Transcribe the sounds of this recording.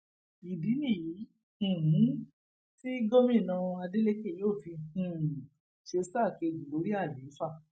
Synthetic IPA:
i˨bi˨˦nĩ˦˨jĩ˨˦˨ | ɦ̩˨˦ | ti˦ɡo˦mĩ˦˨nã˧a˧de˦le˦ke˦˨joː˦˨fi˧ĩ˨ | ʃe˧sa˦˨ke˧˨ɡũ˨lo˨˦ɾi˦a˦˨le˨˦fa˦˨

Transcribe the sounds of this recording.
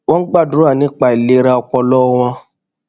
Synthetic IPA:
wɔ̃˦ɡ͡ba˦˨du˨˦a˦˨nĩ˨˦k͡pa˨i˨le˧˦ɾa˧ɔ˧k͡pɔ˧lɔ˦w̃ɔ̃˧

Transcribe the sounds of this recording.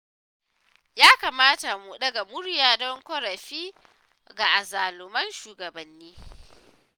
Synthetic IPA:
jaː˦kaː˨maː˦ta˨mu˨ɗɐ˦ɡa˨mʊ˦ɽjaː˨dɔ˦ŋkʷɔ˦ɾɐ˨ɸiː˦ | ɡa˨ʔa˨zaː˨lʊ˨mɐ˦nʃuː˨ɡɐ˨bɐ˨nːiː˦

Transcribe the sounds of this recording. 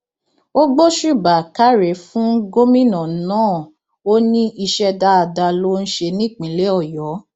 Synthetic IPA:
o˦ɡ͡bo˦ʃu˦˨ba˨ka˦ɾe˨fũ˦ɡo˦mĩ˦nã˨˦nãː˦˨ | o˦nĩ˦ʔi˧ʃɛ˧da˧a˧da˧lo˦n̩˦ʃe˧nĩ˦˨k͡pĩ˨˦le˨˦ɔ˦˨jɔ˨˦

